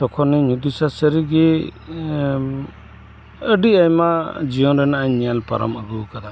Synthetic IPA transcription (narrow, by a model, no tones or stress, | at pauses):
tɔkʰɔnɛɲud̪usasəɾiɡɛ | əɖiajmad͡ʒijɔnɾɛnaʔaɲːɛalpaɾɔ̰məɡukad̪a